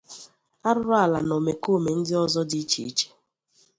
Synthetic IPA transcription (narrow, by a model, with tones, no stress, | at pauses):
a˦ɾʊ˦ɾɔ˦a˨la˨no˨me˨ko˦˨me˨n̩˦dɪ˦ɔ˦zɔ˦di˦i˦t͡ʃḭ˨i˦t͡ʃe̥˦